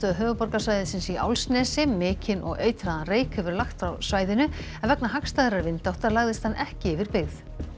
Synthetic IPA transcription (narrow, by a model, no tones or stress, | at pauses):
œðʏɦœːvʏpɔɾkasvajðɪsɪnsia̰wlsnɛːsɪmɪːcɪnɔ̰ɣeːjt̪ɾaðanreːjkhʏvɪɾlaxt̪fɾawsvaːjðɪnʏɛnvɛknaɦakst̪ajðɪɾaɾvɪnt̪ɪawht̪aɾlaɣðɪst̪hanːʔɛhcɪɪvɪɾpɪɣθ